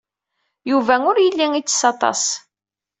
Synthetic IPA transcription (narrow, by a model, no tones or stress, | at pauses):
juvæŋʊɾjəlːiŋit͡sːsɑt̪ˤɑ̰s